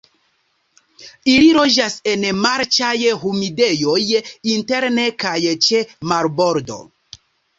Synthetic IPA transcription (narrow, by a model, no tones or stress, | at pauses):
iliɾo̞d͡ʒase̞nmaɾt͡ʃajɦumide̞jo̞jinte̞ɾne̞kajt͡ʃemaɾbo̞ɾdo̞̰